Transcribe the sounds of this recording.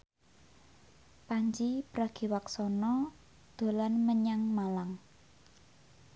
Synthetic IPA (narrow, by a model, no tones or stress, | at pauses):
paɲd͡ʒipɾaɡ̥i̤waksɔnɔ | d̪̥o̤lanməɲaŋmalaŋ